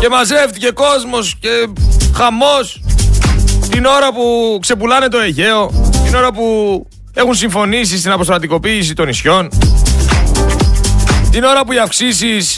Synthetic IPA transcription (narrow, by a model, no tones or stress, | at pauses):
ce̞mɐze̞ft̪ice̞ko̞zmo̞sce̞xɐmo̞s | t̪ino̞ɾɐpukse̞pulɐne̞t̪o̞e̞ʝe̞o̞t̪ino̞ɾɐpu | e̞xunsiɱfo̞nis̬ist̪inɐpost̪ɾɐt̪iko̞piːsit̪o̞nisço̞n | t̪ino̞ɾɐpuiɐfksisis